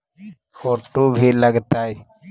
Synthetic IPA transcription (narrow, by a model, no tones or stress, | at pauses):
kɔʈubʱilaɡt̪aj